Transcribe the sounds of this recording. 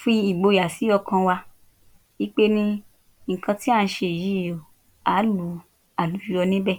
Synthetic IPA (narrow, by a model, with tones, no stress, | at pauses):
fi˧i˨ɡ͡bo˧ja˨si˨˦ɔ˧kʰã˧wa˧ | i˦k͡pe˦nĩ˧ | ŋ̩˨kʰã˧ti˦a˦˧n̩˦ʃe˧˨ji˨˦˨o˨ | a˨˦lu˨˦ | a˨lu˨˦d͡ʒu˧˦ɾɔ˧nĩ˦bɛ˦˨